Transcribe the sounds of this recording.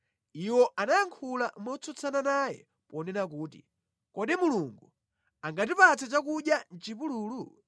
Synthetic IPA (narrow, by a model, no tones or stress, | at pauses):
iwɔʔanajaŋkʰulamɔt͡sʰɔt͡sʰananajɛ̰ | pɔnɛnak̬uːtḭ | kɔɗɛmuluŋɡu | aŋɡat̬ipat͡sat͡ʃak̬uɗjan̩t͡ʃipuluːlu